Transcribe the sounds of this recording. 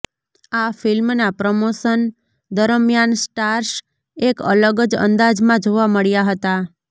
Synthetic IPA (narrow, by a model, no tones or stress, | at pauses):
afɪlmnapɾəmoʃən | d̪əɾəmjansʈaɾʃ | ekə̰ləɡəd͡ʒə̰nd̪ad͡ʒmãd͡ʒoʋaməɭjaɦət̪a